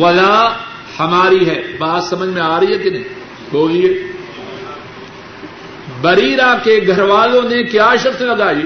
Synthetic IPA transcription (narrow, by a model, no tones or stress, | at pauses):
ʋɐlaː | hɐmaːɾiɦɛːbaːdsɐməd͡ʒʱmẽaːɾɐɦiɦɛkɪnẽ | boːlieː | bɐɾiːɾãkeɡʱɐɾʋaːlõnekjaːʃɐkt̪lɐɡaːiː